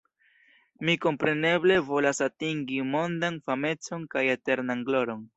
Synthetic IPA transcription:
miko̞mpɾe̞ne̞ble̞vo̞lasatiŋɡimo̞ndanfame̞t͡so̞nkajete̞ɾnanɡlo̞ɾo̞n

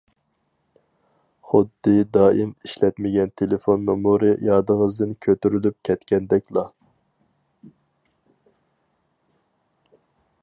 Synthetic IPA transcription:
χʊd̪ːɨd̪ɑːimiʃlɛt̪mɪɡʲɛnt̪ʰelefonːomuɾɨjɑːd̪əŋəzd̪ɨnkʲʰøt̪yɾylyp̚kʲʰɛt̪kʲɛnd̪ɛkʲlˠɑ

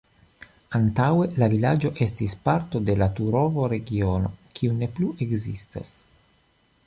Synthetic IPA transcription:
ant̪awe̞lavilad͡ʒo̞ʔe̞stispaɾt̪o̞de̞lat̪uɾovoɾe̞ɡiono̞̰kʰiune̞pluʔe̞ɡzista̰s

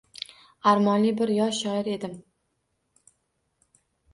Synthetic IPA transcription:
aɾmɒnlibɪɾjɒʃːɒɪɾe̞d̪ɪm

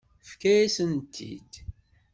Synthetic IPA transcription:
fkæjæsənt̪ʰːḭd̪̥

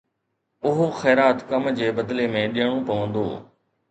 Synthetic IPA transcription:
ʊɦoxɛːɾaːt̪kɐmd͡ʑeːbəd̪lemẽːɗɪjəɽ̃õpɐʋə̃nd̪o̰ː

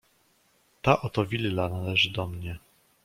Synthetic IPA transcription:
t̪aʔɔt̪ɔvʲillanalɛʐɘd̪ɔmɲɛ

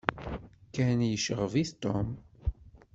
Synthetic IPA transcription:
kænjəʃəʁviθt̪om

